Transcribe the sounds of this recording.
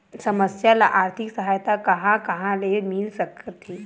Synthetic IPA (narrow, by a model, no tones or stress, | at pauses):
səməsjalaʔaɾt̪ʰiksəɦajt̪akəɦãkəɦãlemilsəkt̪ɦi